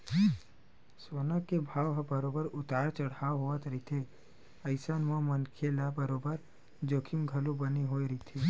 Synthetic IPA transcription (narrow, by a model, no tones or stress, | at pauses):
soːnakebʱaːwɦɐbɐɾoːbəɾʊt̪aːɾt͡ʃɐɽ̤aːɦoət̪ɾit̪ʰe | ɐɪsanmãmənkʰelabəɾoːbəɾ | d͡ʒoːkʰimɡʱɐlubəniɦoiɾit̪ʰi